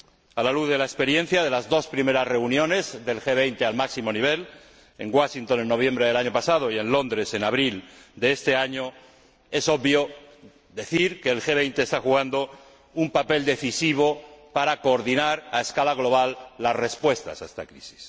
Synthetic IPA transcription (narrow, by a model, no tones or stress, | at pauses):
alaluððe̞laespe̞ɾjẽ̞n̟θjaðe̞lazðo̞spɾime̞ɾasre̞unjõ̞ne̞zðe̞lxeβ̞e̞jnt̪e̞almaksimo̞niβ̞e̞l | e̞ŋɡwaʃint̪o̞nenːo̞β̞jẽ̞mbɾeðe̞laɲo̞pasaðo̞ie̞nlo̞nd̪ɾe̞se̞naβɾild̪eest̪e̞aɲo | e̞so̞ββjo | ðe̞θiɾkeːlxe̞β̞e̞jnt̪eːst̪axuɣand̪o̞ | umpape̞ld̪e̞θisiβo̞paɾako̞ːɾðinaɾaeskalaɣlo̞β̞alːasre̞spwe̞st̪a̰saest̪akɾisi̥s